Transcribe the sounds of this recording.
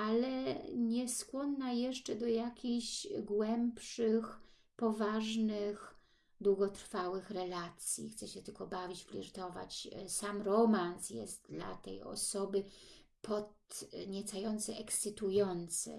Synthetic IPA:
alɛɲɛskwɔnːajɛʂt͡ʂɛd̪ɔjakʲiɕɡwɛmpʂɘx | pɔvaʐnɘx | d̪wuɡɔt̪ɾfawɘxɾɛlat̪sʲjḭxt̪sɛɕɛt̪ɘlkɔbavʲid͡ʑpʲlʲḭɾt̪ɔva̰t͡ɕsamɾɔmansjɛ̰st̪̚d̪la̰t̪ɛ̰jɔ̰sɔbɘ | pʰɔt̪ɲɛt̪sajɔnt̪sɛʔɛkssɘt̪ujɔnt̪sɛ̰

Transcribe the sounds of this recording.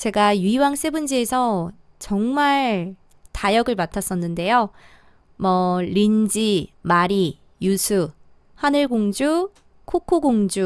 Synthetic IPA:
t͡ɕe̞ɡajuiwaŋs͈e̞bund͡ʑie̞sʰʌ | t͡ɕʌŋmaɭ | tajʌɡɯɭmatʰas͈ʌnːɯnde̞jo | mʌɾind͡ʑimaɾi | jusʰu | hanɯɭɡoŋd͡ʑu | kʰokʰoɡoŋd͡ʑu

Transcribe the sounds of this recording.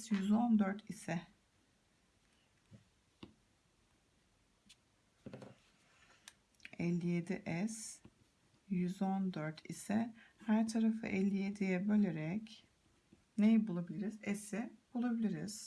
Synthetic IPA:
sjyzo̞nd̪øɾt̪ʰisɛ | ɛlʲːijed̪iʔɛs | jyzo̞nd̪øɾt̪ʰḭsɛhæɾt̪ʰaɾafɯ̰ʔɛlʲːijed̪ijɛbølʲeɾɛc | nejibulˠabilʲiɾizɛsɪbulˠabilʲiɾiz̥

